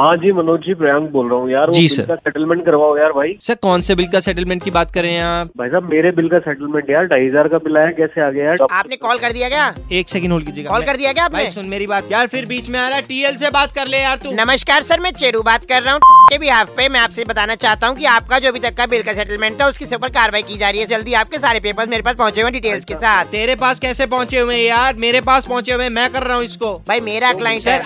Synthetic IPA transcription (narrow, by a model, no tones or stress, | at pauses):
ɦãːd͡ʒiːmɐnoːd͡ʒiːpɾɐjə̃ŋk̚boːlɾɐɦũjaːɾʋod͡ʒiːsɪlɐ̰ɾkasɛʈəlmɛ̃ɳʈ̚kɐɾʋaːõjaːɾbʱaːisɐɾkɔːnsebɪlkasɛːʈəlmɛ̃ːɳʈ̚kibaːt̪̚kɐɾẽːɦɛ̃aːpbʱaːisaːbmeːɾebɪlkasɛːʈəlmɛ̃ːɳʈjaːɾɖaːizaːɾkabɪlaːɛkɛːseaːɡɐjaaːpnekɔːlkɐɾd̪ijaɡɐjaeːksɛːkə̃ɳɖɦoːlkid͡ʒiekkɔːlkɐɾd̪ijaɡɐjaːpnẽsʊnmeːɾibaːt̪̚jaːɾfʰɪɾbiːt͡ʃmẽaːɾɐɛʈiːelsebaːt̪kɐɾlejaːɾt̪ũnɐməʃkaːɾsɐɾmɛ̃ːt͡ʃeːɾubaːt̪̚kɐɾːɐɦũʈkebʱiaːppemɛ̃aːpsebɐt̪aːnat͡ʃaːɦt̪aɦũkiaːp̚kad͡ʒoːbʱit̪ɐkːabɪlkasɛʈəlmɛ̃ːɳʈt̪ʰaʊskiseuːpəɾkaːɾəʋaːikid͡ʒaːɾiɦɛd͡ʒɐld̪iaːp̚kes̬aːɾepeːpəɾsmeːɾepaːspɐɦʊ̃t͡ʃẽẽɖiːʈeːlzkesaːt̪ʰt̪eːɾepaːskɛːsep̬ɐ̃ɦʊ̃t͡ʃeõẽjaːɾmeːɾepaːspɐɦt͡ʃeoẽmɛ̃kɐɾːɐɦũɪskobʱaːimeːɾaɐklaːɪ̃ɳsɛː